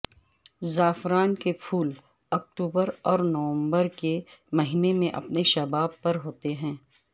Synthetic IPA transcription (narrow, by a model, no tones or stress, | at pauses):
zaːfɾaːnkepʰuːl | ɐk̚ʈuːbəɾɔːɾnɐʋə̃mbəɾkemɐɦiːnemẽʔɐ̰pneʃɐbaːbpɐɾɦoːt̪eɦɛ̃ː